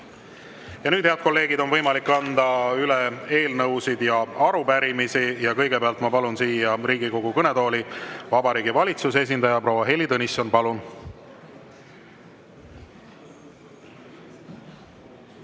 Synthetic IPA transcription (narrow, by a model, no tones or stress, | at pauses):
jɑnyːd̪̥heɑd̪̥̚ko̞lːe̞ːɡid̪o̞nvɤjmɑlikːɑnd̪ɑylee̞ːlnɤwsid̪̥jɑɑɾupæɾimisijɑkɤjɡe̞peɑlt̪mɑpɑlunsiːjɑriːɡiko̞ɡ̥ukɤne̞d̪o̞ːlivɑbɑɾiːɡ̥ivɑlʲit̪suses̬ind̪ɑjɑpro̞ːwɑɦe̞lʲːit̪ɤniso̞npɑlun